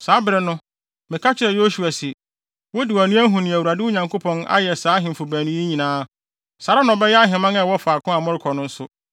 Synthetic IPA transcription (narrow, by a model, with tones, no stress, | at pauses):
saː˨˦bɪ˨ɾɛ˦nʊ̃˦ | mɪ̃˨kʰa˦t͡ɕʰɪ˨ɾɛ˨jo˦su˨a˨si˨ | wɔ˦dɪ˨a˨nʊ̃˦æ˦ɦũ˨nɪ̃˨æ˨wu˨ɾa˨dɪ˦ʊ˦ɲã˨ŋkʰo˦pʰɔ̃˦na̰˦jɛ˨saː˨˦ɦɪ̃˨m̩˨fʊ˨bæ̃ː˨nũ˦i˦ɲĩ˨nãː˦ | sa˨ɾa˦nʊ̃˨ɔ˨bɛ˦jɛ˦a˦ɦɪ̃˨mã˦ŋɛ˦wɔ˦faː˨kʊ̃˦a˨mɔ̃˦ɾɪ˦kʰɔ˨nʊ̃˦n̩˦sʊ˦